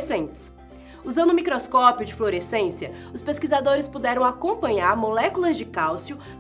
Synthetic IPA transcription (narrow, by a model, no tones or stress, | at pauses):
sẽnt͡ʃɪ̥s | uzɐ̃nd̪ʊmikɾoskɔpiʊd͡ʒɪfloɾesẽsjɐʊspeskizad̪oɾɪspud̪ɛɾɐ̃w̃akõmpɐ̃ɲaɾmolɛkulɐzd͡ʒɪkawsiʊ